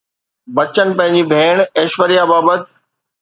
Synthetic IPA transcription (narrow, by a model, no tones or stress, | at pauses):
bɐt͡ɕənɪ̆pɐ̃ɦɪ̃ɲ̆d͡ʑibʱeːɽ̃eːʃʋəɾijabaːbət̪